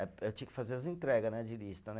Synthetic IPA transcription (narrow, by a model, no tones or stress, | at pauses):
ɛewt͡ʃĩɐkɪ̥fazeɾɐs̬ɐẽnt̪ɾɛɡɐnɛd͡ʒɪlist̪ɐnɛ